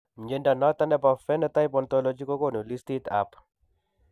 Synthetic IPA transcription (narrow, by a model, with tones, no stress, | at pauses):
ɲd͡ʒe˦nda˨nɔ˦t̪a˦nɛ˦pa˨fɛ˦na˦t̪a˦jpɔ˨nt̪ɔ˦lo˨d͡ʒi˦ko˦ko˦˨nu˨li˦st̪i˦t̪a̰p